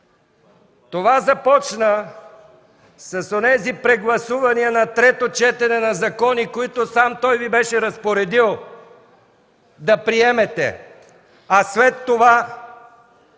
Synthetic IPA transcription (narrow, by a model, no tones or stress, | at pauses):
t̪ovazɐpɔt͡ʃnə | sɐsonɛzipɾɛɡlˠɐsuvɐniənɐt̪ɾɛt̪ot͡ʃɛt̪ɛnɛnɐzɐkɔnikoit̪osamt̪ɔjvibɛʃɛɾɐspoɾɛd̪ilˠ | d̪ɐpɾiɛmɛt̪ɛ̰ | ɐslɛt̪ːova